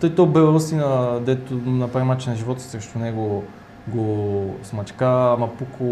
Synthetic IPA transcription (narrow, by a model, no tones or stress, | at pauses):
t̪ɔjt̪ɔbɛvust̪inɐd̪ɛt̪ʊnɐpɾaɛmat͡ʃɛnɐʒivɔt̪o̥sɾɛʃt̪onɛɡʊ | ɡosmɐt͡ʃkamɐpukʰo